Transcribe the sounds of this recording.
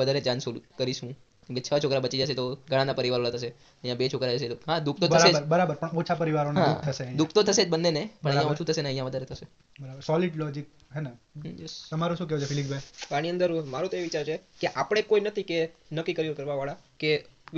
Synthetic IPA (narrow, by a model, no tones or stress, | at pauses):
əd̪ʱaɾed͡ʒãnsolukəɾiʃũ | kmket͡ʃʰət͡ʃʰokɾabət͡ʃid͡ʒaʃet̪oɡʱəɽ̃anapəɾiʋaɾonat̪ʰəʃe | əɦjãbet͡ʃʰokɾad͡ʒəʃet̪oɦad̪ukʰt̪otʰəɾʃed͡ʒəɾbəɾabəɾpəɳot͡ʃʰapəɾiʋaɾoneɦa̰kt̪ʰəʃed̪ukʰt̪ot̪ʰəʃed͡ʒbənːenepəɳ̃ə̃j̃aoɾt͡ʃʰut̪ʰəʃeneə̃jãʋəd̪ʱaɾet̪ʰəʃe | bəɾabəɾsɔliɖlɔd͡ʒik̚ | ɦena | jet̪əmaɾoʃũːk̬ɛot͡ʃʰefilikbʱeʋaniə̃nd̪əɾũmaɾũt̪oeʋit͡ʃaɾt͡ʃʰekeʔapəɽ̃ekoinət̪ʰikenəkːikəɾiokəɾʋaʋaɭake